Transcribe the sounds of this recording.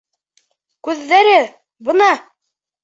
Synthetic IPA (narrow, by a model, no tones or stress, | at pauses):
kʉðːæɾɘ | bɤ̆nɑ